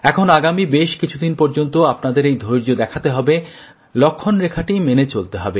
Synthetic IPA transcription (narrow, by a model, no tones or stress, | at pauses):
ɛkʰonaɡamibeʃkit͡ɕʰud̪inpɔɾd͡ʑont̪oapnad̪eɾejd̪ʱojɾd͡ʑod̪ɛkʰat̪eɦɔbe | lokʰːonɾekʰaʈimenet͡ɕolt̪eɦɔbe